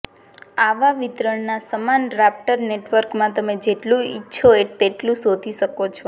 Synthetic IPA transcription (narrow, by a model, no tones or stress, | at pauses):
aʋaʋit̪ɾəɳnasəmanɾap̚ʈəɾneʈʋəɾkmãt̪əmed͡ʒeʈlũitːʃʰoet̪eʈlũsod̪ʱiʃəkot͡ʃʰo